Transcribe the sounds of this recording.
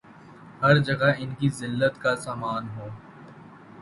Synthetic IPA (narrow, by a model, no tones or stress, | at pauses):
hɐɾd͡ʒɐɡaɪnkizɪlːət̪kasaːmaːnɦoː